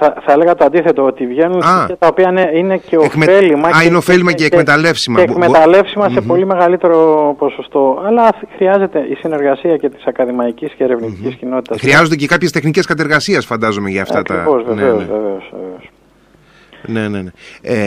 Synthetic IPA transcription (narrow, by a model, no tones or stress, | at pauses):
θɐθɐele̞ɣɐt̪oɐnd̪iθe̞t̪o̞ot̪ivʝe̞nunɐɐt̪ɐopiɐneine̞ceoekmeelimɐɐineofelimɐeːkme̞t̪ɐle̞fsimɐeːkme̞t̪ɐle̞fsimɐsepo̞lime̞ɣɐlit̪e̞ɾo̞po̞so̞st̪o̞ɐlɐxɾiɐze̞t̪e̞ʔisine̞ɾɣɐsiɐce̞t̪i̥sɐkɐðimɐicisceeɾevniticiscino̞t̪i̥t̪ɐssxɾiɐzond̪ecekɐpçest̪exnice̞skɐt̪̬eɾɣɐsiɐsfɐnd̪ɐzo̞meʝɐːftt̪ɐt̪ɐ̰vozveneozveveosvḛveos | ne̞nenee